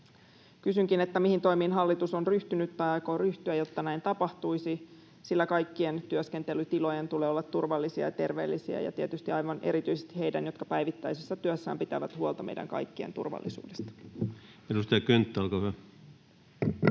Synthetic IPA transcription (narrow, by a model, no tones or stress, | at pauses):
kysyŋkine̞t̪ːæmihint̪o̞imiːnɦɑlːit̪uso̞nryht̪ynyt̪ːɑɑkoryht̪yæjo̞t̪ːɑnæint̪ɑpɑht̪uisi | silːækɑjkːient̪yøske̞nt̪e̞lyt̪ilo̞jent̪uleːolːɑt̪ːurʋɑlːisiɑ̰jɑt̪e̞rʋe̞ːlːisiæ̰jɑ̰t̪iet̪yst̪iɑjʋɑnʔe̞̰ɾit̪yisest̪ihejdænjo̞t̪kɑpæjʋit̪ːæjsesːɑt̪yøsːæ̰ːmpit̪æʋæt̪huolt̪ɑmḛjdæ̰ŋkɑ̰jkːiḛnt̪ṵrʋɑ̰lːisṵːdest̪ɑ̥ | edust̪ɑjɑkønt̪ːæolkɑhyæ